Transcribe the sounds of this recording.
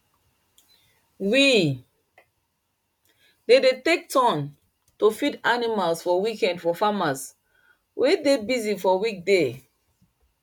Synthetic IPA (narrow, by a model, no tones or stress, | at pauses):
wi | dedetek̚tɔ̃n | tofidanimalsfɔwikɛ̃ndfɔfamas | wʔedebizifɔwik̚de